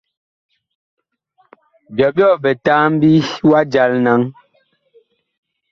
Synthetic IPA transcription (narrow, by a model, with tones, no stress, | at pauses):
bjɔ˨bjɔ˦˨bɛ˨ta˦m̩˦bi˦wa˦d͡ʒa˨˦lna˦ŋ